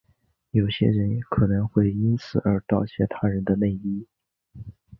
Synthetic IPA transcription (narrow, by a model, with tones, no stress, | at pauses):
jo˨˩ʊɕjɛ̰˥ɻə˧˥nkʰɤ˨˩nɤ˧˥ŋxwe˥˩ɪi˥nt͡sʰɹ̩˨˩ə˞˧˥t̪ɑ˥˩ʊt͡ɕʰjɛ̰˥˩t̪ʰa˥ɻə˧˥nd̪ə˧ne˥˩ɪi˥